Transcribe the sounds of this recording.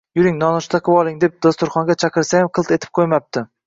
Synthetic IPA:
jʊɾɪŋnɒnʊʃt̪ʰaqʰɨwɒlˠɪŋd̪ep̚d̪̥ost̪ʊɾχɒŋɡʲat͡ʃʰaqɨɾsajamqʰɨlˠt̪e̞t̪ʰɪ̥p̚qʰojmap̚t̪ʰɪ

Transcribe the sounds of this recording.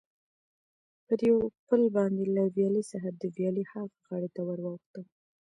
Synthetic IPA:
pəɾjawpəlbɑnd̪elavjɑlisaɦad̪əvjɑlihaɣɣaɽet̪awəɾwɑxt̪əl

